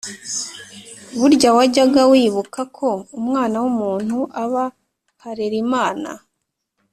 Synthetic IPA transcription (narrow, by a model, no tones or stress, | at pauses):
βuɾɟawaɟaɡawiːβukakʰo̞umŋaːnawumuːn̥huʔaβa | haɾeɾimaːna̰